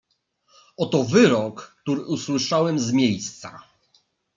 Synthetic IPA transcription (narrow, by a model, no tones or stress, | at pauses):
ɔt̪ɔvɘɾɔkːt̪uɾɘʔuswɘʂawɛmzmʲjejst̪sa̰